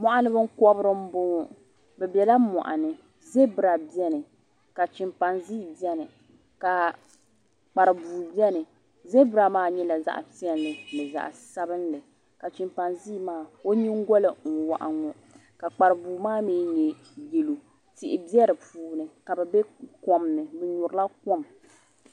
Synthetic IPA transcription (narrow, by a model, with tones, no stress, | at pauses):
mɔ˦ʔa˦nɨ˦bɨ˦ŋ̩˦kɔ˦bɾɨ˦m̩˦bʊ˦ŋ˦ | bɛ˨bɛ˨la˦mɔ̰˨ʔa˨nɨ˨ | ze˦bɨ˦ɾa˨bi˦ɛ˦nɨ˨ | ka˨t͡ʃɪ˨mpa˨nzi˦˨bi˦ɛ˦nɨ˨ | ka˨ | k͡pa˨ɾɨ˨buː˨bi˦ɛ˦nɨ˨ | ze˦bɨ˦ɾa˨maː˦ɲɛ˦la˨za̰˦ʔti˦ɛ˨n˦lɨ˨nɨ˨za̰˨ʔsa˦bɨ˦nlɨ˨ | ka˨t͡ʃɪ˨mpa˨nziː˦maː˦˨o˦ɲi˦ŋ˦ɡɔ˦lɨ˨ŋ̩˨wa̰˨ʔa˨ŋɔ˦ | ka˨k͡pa˨ɾɨ˨buː˨maː˦miː˦ɲɛ˨ | je˨lo˨ | tɪ˨ʔɪ˨bi˦ɛ˦ɾɨ˨puː˦nɨ˨ka˨bɛ˨bɛ˦kɔ˨mnɨ˨bɛ˨ɲʊ˨ɾɨ˦la˦kɔ˦m